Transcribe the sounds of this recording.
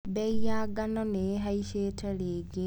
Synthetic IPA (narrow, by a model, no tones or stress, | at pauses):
bɛijaɡanɔneɦaiʃeːtʰaleːɡe